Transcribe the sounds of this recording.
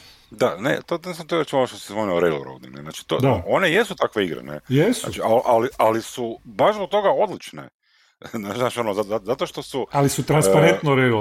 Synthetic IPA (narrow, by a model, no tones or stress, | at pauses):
d̪anḛt̪od̪nis̬amt̪oet͡ʃuoʃt̪osizʋonioɾejlo̰ɾo̰d̪ḭ̃ɡnenaːt͡ʃi̥t̪o̰d̪ao̞neje̞sut̪akʋe̞iɡɾḛnḛjesaat͡ʃialʔaliʔalisubaʒzbok̚t̪o̞ɡao̞d̪lit͡ʃnḛ | nat͡ʃinaːʃionozaazat̪oʃt̪o̞sualisut̪ɾanspaɾent̪noɾejlo